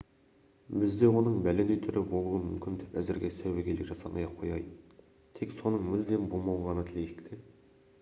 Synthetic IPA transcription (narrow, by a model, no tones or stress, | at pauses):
bɪzd̪e̞wo̞nəɴbælend̪ejt̪ʰʏɾʔɪbo̞lˠuəmʏmkʲɪnd̪epæzɪɾɡʲe̞sæweɡʲʰelekʒɑsɑ̰mʔɑ̰jɑqʰːo̞̰jɑj | t̪ʰekso̞nəɴmɪld̪e̞nbolˠmɑlˠʁɑnət̪ʰɪlejɪ̥kt̪ʰe